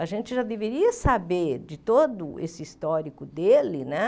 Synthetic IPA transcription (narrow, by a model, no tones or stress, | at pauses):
aʒẽnt͡ʃɪʒad̪eveɾiɐsabeɾd͡ʒɪt̪od̪ʊʔesɪist̪ɔɾikʊd̪elɪnɛ